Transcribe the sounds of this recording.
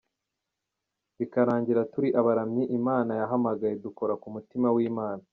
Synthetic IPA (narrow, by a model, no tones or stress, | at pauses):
βikaɾaːɲɟiɾatuɾiʔaβaɾamɲiʔimaːnajaɦamaɡaje̞duko̞ɾakumutimawiːmaːna